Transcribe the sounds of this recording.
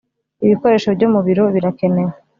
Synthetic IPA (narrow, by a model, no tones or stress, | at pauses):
iβiko̞ɾe̞ːʃobɟomuβiɾo̞βiɾake̞ne̞we